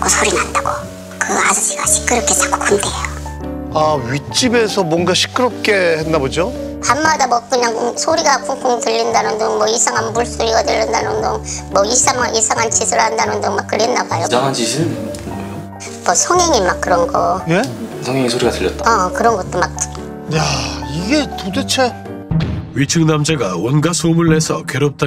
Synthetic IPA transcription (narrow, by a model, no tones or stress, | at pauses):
kosʰoɾinandaɡo | kɯasʌɕʰiɡaɕʰi̥k͈ːɯɾʌkʰet͡ɕako̥kʰundejoaɥit͡ɕ͈ibe̞sʰʌmwʌnɡaɕʰi̥k͈ɯɾʌp̚k͈e̞henːabod͡ʑo | pammːadamwʌk͈ɯɲaŋsʰoɾiɡakʰuŋkʰoŋtɯʎːindanɯndɯŋmwʌisʰaŋɦanbuɭs͈ʰoɾiɡatɯʎːindanɯndɯŋmwʌis͈ʰaŋaisʰaŋɦant͡ɕʰisʰɯɭandanɯndɯŋmak͈ːɯɾenːabajod͡ʑaŋɦand͡ʑisʰi | mʌsʰʌŋɦeŋimak͈̚ːɯɾʌnɡʌnesʰʌŋɦeŋisʰoɾiɡatɯʎːʌt͈̚aakɯɾʌnɡʌt͈omak̚ | jaiɡe̞todet͡ɕʰe | ɥit͡ɕʰɯŋnamd͡ʑaɡawʌnɡasʰomɯɭːesʰʌkeɾop̚t͈a